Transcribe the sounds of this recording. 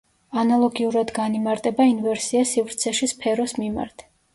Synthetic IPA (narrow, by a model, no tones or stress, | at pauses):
analˠɔɡiuɾad̪ɡanimaɾt̪ʼɛbainvɛɾsiasivɾt̪sʰɛʃispʰɛɾɔsmima̰ɾt̪ʰ